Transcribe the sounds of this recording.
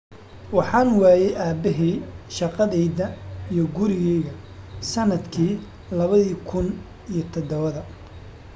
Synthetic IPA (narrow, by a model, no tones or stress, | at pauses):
wɑħɑːnwɑːjɛjʔaːbɛɦɛʃɑqɐðɛjðɐijɔɡʊɾɪɣɛjɣɐ | sɐnɐd̪kʰiː | lɐβɐðiːkʰʊn | ijɞt̪ʰɔd̪ɔβɐðɐ